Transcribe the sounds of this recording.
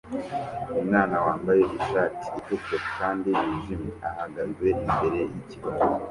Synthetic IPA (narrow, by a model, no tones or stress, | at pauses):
umŋaːnawaːmbajeʔiʃaːti̥ːtukokaːndiβiʒimeʔahaɡazɡwe̞imbe̞ɾe̞jiciβazo